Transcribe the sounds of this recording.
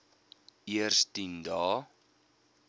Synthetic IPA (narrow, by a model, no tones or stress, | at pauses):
iərstindɑː